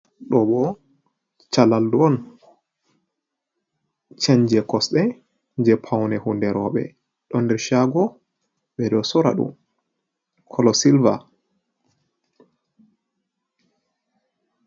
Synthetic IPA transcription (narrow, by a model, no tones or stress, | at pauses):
ɗɔbɔ | t͡ʃalalduɔn | t͡ʃaɲd͡ʒɛkɔsɗɛ | ɲd͡ʒɛpʰawnɛhundɛɾɔɓɛ̰ | ɗɔndɛɾʃaɡɔ | ɓɛɗɔsɔɾa̰ɗṵm | kʰɔlɔsilva